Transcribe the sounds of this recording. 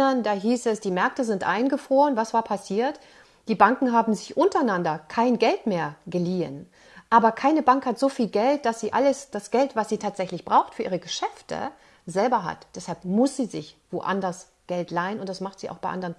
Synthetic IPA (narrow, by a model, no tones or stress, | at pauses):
ɐndaːɦiːsɛsd̥iːmɛɐk̚təzɪntʔa̰ɪnɡəfʁ̥oːʁənvasv̥aːɐpʰasiːɐt | d̥iːbaŋkŋ̩ɦaːbm̩zɪçʔʊntɐaɪnandɐkʰaɪnɡɛltmeːɐɡəliːə̰n | ʔaːbɐkʰaɪnəbaŋkhatz̥oːfiːlɡɛlt̚d̥asz̥iːʔaləsd̥asɡ̥ɛltv̥asz̥iːtʰaːtz̥ɛçlɪçb̥ʁaʊxtfyːɐʔiːʁəɡəʃɛftə̰ | zɛlbɐɦa̰td̥ɛshalpmʊsz̥iːzɪçv̥oʔa̰ndɐs | ɡ̥ɛltlaɪənʊntd̥asmaχtz̥iːʔaʊbaɪʔa̰ndəʁən